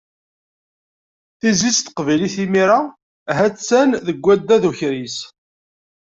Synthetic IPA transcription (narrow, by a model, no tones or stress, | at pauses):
θizist̪ə̥qvæjliθimiɾa | ɦæt͡sːænðəɡʷːæd̪ːæðuçɾis